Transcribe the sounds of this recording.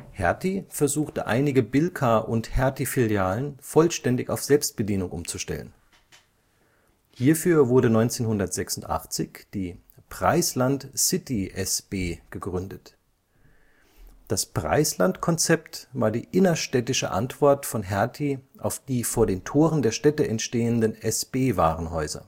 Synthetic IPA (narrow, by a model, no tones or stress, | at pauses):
hɛɐtifɛɐzuːxtəʔa̰ɪnɪɡəbɪlkʰaʔʊnthɛɐtifɪljaːlənfɔlʃtɛndɪça̰ʊfz̥ɛlpst̚b̥ədiːnʊŋʔʊ̰mt͡suʃtɛ̰lə̰n | hiːɐfyːɐvʊɐɾənɔʏnt͡seːnhʊndɐtz̥ɛksʊn̩tʔa̰χt͡sɪçd̥iː | pʁ̥a̰ɪslantsɪtiʔɛsb̥eːɡ̥əɡʁʏndət | d̥aspʁ̥a̰ɪslantkʰɔnt͡sɛptvaːɐdiːʔɪnɐʃtɛtɪʃə̰ʔa̰ntv̥ɔɐtfɔnɦɛɐtʰiʔaʊfd̥iːfoːɐdeːntʰoːʁəndeːɐʃtɛtəʔɛntʃteːəndənʔɛsb̥eːva̰ːʁənɦɔʏzɐ̰